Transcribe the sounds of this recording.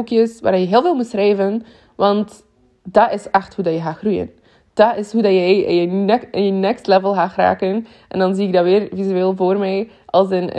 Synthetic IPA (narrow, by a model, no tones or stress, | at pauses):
kjəsʋaːrdɑjəɦɪːlˠveːlˠmutsrɛjvən | ʋɑnt | d̥ɑɪsɛxthudɑjəɣaːxrujə̰n | d̥ɑɪsɦudɑjɛjjənɛənjənɛkstlɛvəlˠɣaːxra̰ːkən | ʔɛ̰ndɑnziːɪɡ̚daʋɪːrvizyeːlˠvoːrmɛj | ʔɑlˠsɪn̰